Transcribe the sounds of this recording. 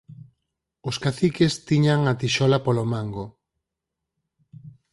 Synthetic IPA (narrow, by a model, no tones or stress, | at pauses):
ʊskaθikest̪iɲaŋat̪iʃɔlapolomaŋɡo